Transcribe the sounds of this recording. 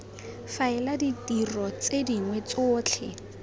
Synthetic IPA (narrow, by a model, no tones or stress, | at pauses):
faɪladitirɔt͡sediŋwɛt͡sʊːt͡ɬʰɛ̰